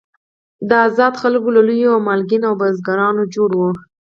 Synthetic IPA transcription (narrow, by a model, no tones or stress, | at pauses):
d̪əazɑd̪xalkolalujoamalɡinawbazɡɑɾɑnod͡ʒoɽwo